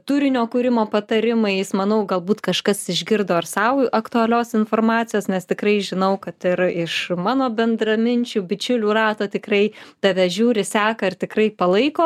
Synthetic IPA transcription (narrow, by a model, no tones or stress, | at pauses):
t̪uɾʲɪnʲoːkuːɾʲɪmoːpɐt̪ɐɾʲɪmɐɪjɪsmɐnɐʊɡɐlˠbuːt̪kɐʃkɐsɪʒʲɡʲɪrd̪oːɪrsɐʊɐkt̪uɐlʲoːsɪnfoːrmɑːt͡sʲɪjoːsnʲɛst̪ʲɪkrɐɪʒʲɪnɐʊkɐt̪ɪɾɪʃmɑːnoːbʲɛnd̪rɐmʲɪnʲt͡ʃʲuːbʲɪt͡ʃʲʊlʲuːrɑːt̪oːt̪ʲɪkrɐɪd̪̥ɐʋʲɛʒʲuːɾʲɪsʲæːkɐɪrt̪ʲɪkrɐɪpɐlˠɐɪkoː